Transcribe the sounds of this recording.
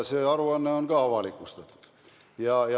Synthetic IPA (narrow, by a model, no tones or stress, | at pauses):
seːɑɾuɑnːeonɡ̥ɑɑʋɑlikˑust̪et̪ | jɑjɑ